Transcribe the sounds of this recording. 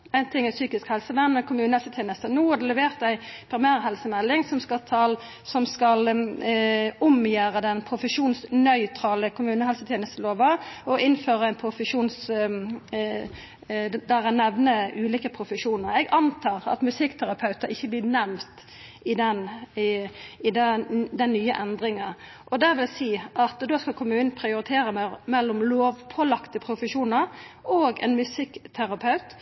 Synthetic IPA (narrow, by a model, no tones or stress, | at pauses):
æɪnt̪ʰɪŋːæsyːkɪskhɛlsəʋɛnːɛkʰʊmʉːnəhɛlsət̪ʰjeːnəst̪ənuːhɑd̪ɛlɛʋeːʁt̪æɪpʰɾɪmæːɾɦɛlsəmɛlːɪŋsɔmskɑt̪ʰɑl | sɔmskɑl | ʊmjæːɾəd̪ɛnpʰʁʊfəʂuːnsnœʏt̪ʰʁɑːləkʰʊmʉːnəhɛlsət̪ʰjɛːnəst̪əloːʋəɔɪnføːʁəæɪnpʰɾʊfəʂuːns | d̪æʁænɛʋnəʔʉːliːkəpʰɾʊfəʂuːnəɾɛɡɑnt̪ʰɑːʁɑ̰t̪mʉsɪkt̪ʰæɾɑpʰɑʉt̪əɾɪçːəblɪːnɛmmt̪ | ɪd̪ɛn | ɪd̪ɛd̪ɛnːyːəʔɛnd̪ʁɪŋɑ | ʔɔd̪ɛʋɪlsiːʔɑt̪d̪oːskɑlkʰʊmːʉːnnpʰɾɪʊɾɪt̪ʰeːɾəmmɛlːʊmloːʋpʰolɑkt̪əpʰɾʊfəʂuːnəɾʔoːɡɛ̰nmʉsɪkːt̪ʰæɾɑpʰɑʉt̪